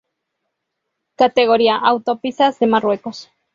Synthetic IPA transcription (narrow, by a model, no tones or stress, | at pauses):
kat̪eɣoɾiaʔawt̪opisazðemarwekos